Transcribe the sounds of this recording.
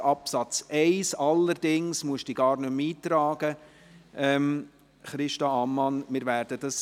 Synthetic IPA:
ɑpsɑt͡sʔɛɪsɑlːəɾdɪŋsmuəʃd̥iːɡɑːɾnɵmiːt̪ɾɑːɡ̥ə | ʔɛm | χɾɪʃtɑɑmːɑnmɪːɾvæːɾd̥əd̥ɑs

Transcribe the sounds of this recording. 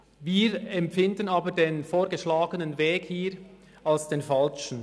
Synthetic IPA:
viːɾɛmpfɪndənaːbədeːnfoːɾɡəʃlaːɡənənveːkhiːɾ | alsd̥eːnfalʃn̩

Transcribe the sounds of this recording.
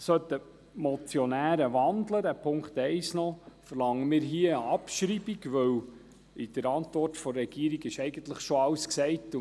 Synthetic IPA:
sœt̪ə | mɔt͡sjɔnæːɾəʋɑnd̪ləd̪æpʰʊŋkt̪ɛɪsnɔfərlɑŋːəmɪːɾɦiəəɑpʃɾibiɡʋɵw | id̥əɾɑnt̪ʋɔrtfɔɾɛɡiːɾiɡɪʃɛɪɡən̩t̪ləχʃoɑwsksɛɪt

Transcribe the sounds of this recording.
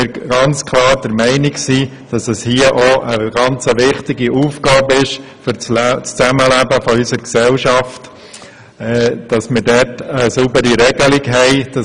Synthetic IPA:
ɪɾɡ̥ɑnt͡skʰlɑːɾd̥əɾmɛɪnɪksiː | d̥ɑsɛshiəʔɔʔəɡ̥ɑnt͡səʋɪχtɪɡiuːfɡ̥ɑːbəɪʃ | fʏt͡st͡st͡sæməlæbəfɔysəɾksɛlʃɑft | ɛd̥ɑsmɪɾdɛtəsubəɾiɾɛɡ̥əlɪkɦɛɪd̥ɑ

